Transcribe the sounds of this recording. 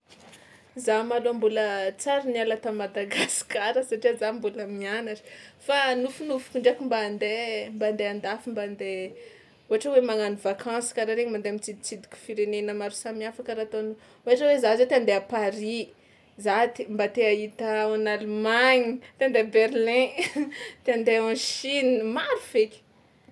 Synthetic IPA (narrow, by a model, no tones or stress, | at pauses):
zamaloambulət͡saɾinialat̪amad̪aɡaskaɾəsaʈ͡ʂiazambuləmianaʈ͡ʂi̥fanufunufu̥kuɳɖ͡ʐakimband̪emband̪eand̪afimband̪e | uaʈ͡ʂəwemaŋanivakʰɑ̃si̥kaɾaɾeɲmand̪emit͡sid̪it͡sid̪i̥kʲu̥fiɾenenəmaɾusamiafakəɾat̪on | uaʈ͡ʂawezazet̪eand̪eapaɾi | zat̪imbat̪eait̪əanalumaɲit̪eand̪ebeɾlɛ̃ | t̪eand̪eãʃinimaɾuv̥ekʲi̥